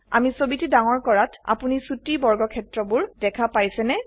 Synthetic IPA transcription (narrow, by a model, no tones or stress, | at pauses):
a̰misobitidaŋɔɹkɔɹata̰punisutibɔɹɡɔkʰɛtɹɔbʊɹdɛkʰapajsɛnɛ